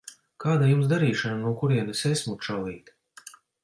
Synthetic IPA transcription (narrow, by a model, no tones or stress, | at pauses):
kaːd̪ajumsd̪aɾiːʃananuɔkuɾiɛnesesmut̪ʃawlˠiːt̪